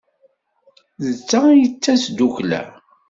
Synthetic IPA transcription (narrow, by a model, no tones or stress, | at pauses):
ðət͡sːæjət͡sːæsd̪uçlæ̰